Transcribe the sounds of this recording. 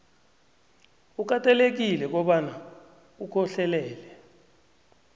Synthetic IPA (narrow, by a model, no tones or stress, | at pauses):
uk̬atʼalek̬ilɛk̬ɔɓana | ukʰɔɬɛlɛːlɛ